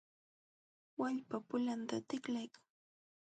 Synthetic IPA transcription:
waʎpapʊlant̪at̪ɪklajkḁŋ

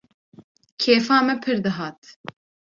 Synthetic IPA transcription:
kʰeːfaːmɛpʰɨɾd̪ɨɦaːt̪

